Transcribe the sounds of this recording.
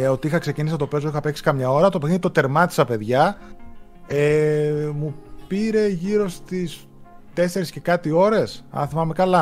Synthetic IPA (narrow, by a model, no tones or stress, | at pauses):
o̞t̪iixɐkse̞cinisɐt̪o̞pezoixɐpe̞ksi̥kɐmɲɐo̞ɾɐt̪opeinit̪o̞t̪e̞ɾmɐt̪i̥sɐpe̞ðʝɐ | emupiɾe̞ʝiɾo̞st̪is | t̪e̞se̞ɾisce̞kɐt̪io̞ɾe̞sɐ̰θimɐmekɐlɐ